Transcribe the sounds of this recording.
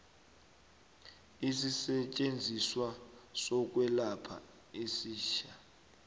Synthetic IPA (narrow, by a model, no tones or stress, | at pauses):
isisɛt͡ʃʼend͡zʱiswasɔk̬ʼwɛlapʰa̰ | esiːʃa